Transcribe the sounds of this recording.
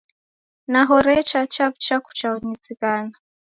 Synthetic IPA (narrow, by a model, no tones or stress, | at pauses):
naɦɔɾɛt͡ʃat͡ʃapt͡ʃaku̥t͡ʃaɔɲizikana